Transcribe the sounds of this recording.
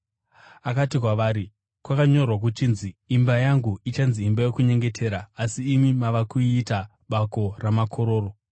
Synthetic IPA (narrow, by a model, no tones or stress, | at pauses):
akatikwaʋaːɾi | kwakaɲo̞rwak̬ut͡ʃinziːmbajaŋɡuit͡ʃanziːmbajo̞kuɲe̞ŋɡetʰe̞ːɾaːsiːmimaʋakuːta | ɓako̞ramakʰo̞ɾo̞ːro